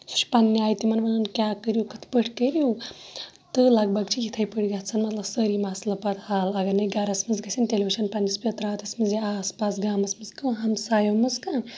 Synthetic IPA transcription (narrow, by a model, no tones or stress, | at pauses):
su̥t͡ʃʰʲpɐnːiaːjt̪imɐnʋɐnɐnkʲaːkəɾjukɐt̪ʰi̥pəʈʰkəɾju | t̪ɨlɐɡ̚bɐɡt͡ʃʰijit̪ʰɐjpəɽʲɡat̪t͡sʰɐnmɐt̪lɐbsəɾimaslɐpɐt̪haːlɐɡɐɾnɐɡɐɾɐsmɐzɡɐsʲʰinʈelebiʃɐnpɐnːɐspʲjɐt̪ɾaːt̪ʰɐsmɐziaːspaːsɡaːmɐsmɨzkɐɦɐmsaːjomɐzkɐn